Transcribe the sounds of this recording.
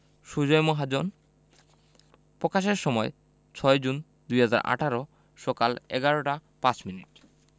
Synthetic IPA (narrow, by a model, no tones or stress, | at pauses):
ʃud͡ʑɔjmoɦad͡ʑon | pɾokaʃ̬eɾʃɔmɔe | t͡ɕʰɔed͡ʑun | d̪ujɦad͡ʑa̰ɾʔa̰ʈʰaɾo | ʃɔkalɛ̰ɡaɾoʈa | pat͡ɕminiʈ̚